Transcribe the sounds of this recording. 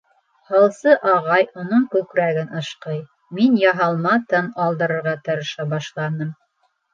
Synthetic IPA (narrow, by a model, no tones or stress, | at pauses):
hɑlˠsɤʔɑʁɑjunɤɴkʉkɾæɡɘnʔɤ̆ʃqɤj | minjɑɦɑlˠmɑt̪ɤnɑlˠd̪ɤ̆ɾɤ̆ɾʁɑt̪ɤ̆ɾɤ̆ʃɑbɑʃlˠɑnɤm